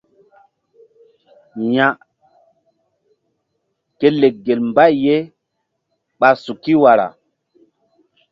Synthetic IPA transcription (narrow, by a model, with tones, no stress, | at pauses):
ja˨ | ke˦le˨k̚ɡe˨lmba˦˨jje˦ | ɓa˨su˨ki˦wa˨ɾa̰˨